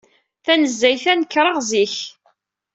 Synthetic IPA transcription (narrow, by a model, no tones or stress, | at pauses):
θænəzːæjθænəkːɾˤɑʁziç